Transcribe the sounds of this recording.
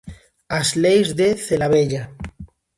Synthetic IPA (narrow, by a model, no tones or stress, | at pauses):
azlejzðeθelaβeʎa